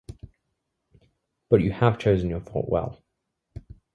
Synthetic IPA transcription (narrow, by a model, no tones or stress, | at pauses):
b̥ʌt͡ʃəəv̥t͡ʃʰəʊzə̃njəθɔ̰ˑʔwɛ̰lˠ